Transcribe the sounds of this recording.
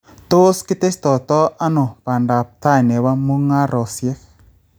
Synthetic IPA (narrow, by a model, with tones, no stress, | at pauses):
t̪o˦skɪ˦t̪e˦st̪ɔ˨t̪ɔ˦ʔa˦no˨pa˨nda˨p̚t̪a˦jnɛ˨wa˦mu˦ŋa˦ɾʔɔ˨sjɛ˦k